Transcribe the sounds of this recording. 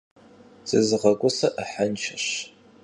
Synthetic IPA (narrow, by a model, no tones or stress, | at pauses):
z̥ɨzʁɐɡʷʼʊsɐʔəħant͡ʃʰɐɕ